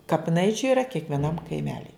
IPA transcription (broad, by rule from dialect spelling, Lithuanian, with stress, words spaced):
kɐpʲɪˈnɐɪt͡ʃʲʊ iːrɐ kʲiɛkʋʲiɛˈnɐm kɐɪˈmʲæːlʲɪ